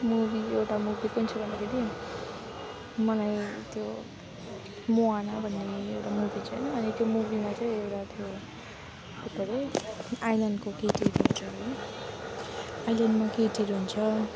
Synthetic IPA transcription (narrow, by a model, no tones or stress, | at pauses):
mubiewʈamubikunt͡sʰʌbʱʌnd̪akʰeɾi | mʌlajt̪jo | moanabʱʌnːekʰeiewʈamubit͡sʰʌjnʌːnit̪jomubimat͡saj̃ewʈat̪ʰjo | t̪epʌɾeajlʌnɖkokeʈiɾɦunt͡sʰʌɦʌ | ajlʌnɖmakeʈiɾɦunt͡sʰʌ